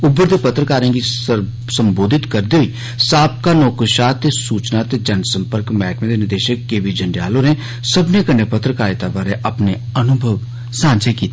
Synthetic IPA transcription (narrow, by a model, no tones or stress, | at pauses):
ʊbːəɾd̪eːpət̪ɾəkaːɾẽːɡiəɾ | səmboːd̪ʱɪt̪kəɾd̪eːɦʊiː | saːp̚kaːnoːkəʃaːt̪eːsuːt͡ʃnaːt̪eːd͡ʒənsə̃mpəɾkmɛːkmẽːd̪eːnɪd̪eːʃəkːeːʋid͡ʒəɳɖja̰ːloːɾẽː | səbneːkəneːpət̪ɾəkaːɾɪt̪aːbaːɾeːʔəpneː | ənʊbʱəʋ | sãːnt͡ʃʰekiːt̪ː